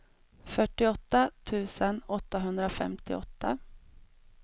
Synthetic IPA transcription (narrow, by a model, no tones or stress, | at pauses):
fœʈːɪɔt̪ːat̪ʰʉ̟ːsənɔt̪ːaɦɵnd̪ɾafɛ̰mt̪ɪ̰ɔt̪ːa